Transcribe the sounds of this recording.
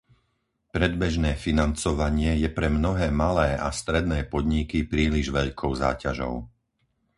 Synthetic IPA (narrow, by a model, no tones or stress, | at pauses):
pɾɛd̪bɛʒnɛːfinant͡sɔʋaɲɪɛjɛpɾɛmnɔɦɛːmalɛːʔast̪ɾɛd̪nɛːpɔd̪ɲikipɾiːliʒʋɛʎkʰɔʊza̰ːcaʒɔ̰ʊ